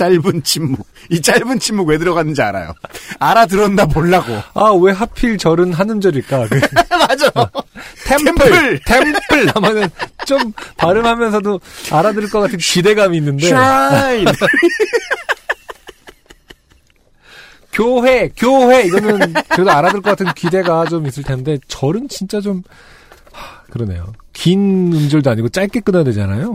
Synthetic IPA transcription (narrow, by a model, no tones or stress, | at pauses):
t͡ɕaɭbɯnt͡ɕʰimːu | it͡ɕ͈aɭbɯnt͡ɕʰimːuɡwe̞dɯɾʌɣanːɯnd͡ʑia̰ɾa̰jo̰aɾadɯɾʌndamoɭːaɡo̰awe̞ɦapʰiɭt͡ɕʌɾɯnɦanɯnd͡ʑʌɾiɭk͈akɯmad͡ʑa | tʰempʰɯɯɭtʰe̞mpʰɯɭamanɯnt͡ɕ͈ompaɾɯmɦamjʌnsʰʌdoaɾadɯɭk͈ʌk͈atʰɯnkide̞ɡamiːnːɯnde̞a | kjoɦe̞kjoɦe̞iɡʌnɯnkɯɾedoaɾadɯɭkʌk͈atʰɯnkide̞ɡat͡ɕomis̬͈ɯɭtʰe̞nnde̞t͡ɕʌɾɯnt͡ɕint͡ɕ͈at͡ɕom | akɯɾʌne̞̰jo̰kinɯnd͡ʑʌɭdoaɲiɡot͡ɕ͈aɭk͈ek͈ɯnʌjadwe̞d͡ʑa̰na̰jo